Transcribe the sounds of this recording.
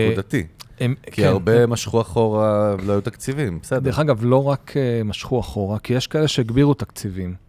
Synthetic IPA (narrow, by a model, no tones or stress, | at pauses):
ud̪at̪iemkiaʁbemaʃχuaχo̞ʁavloajut̪akt͡sivimbesed̪deeχaɡavlo̞ʁakʰemaʃχuaχo̞ʁakijeʃkaeleʃeiɡbiʁut̪akt͡sivim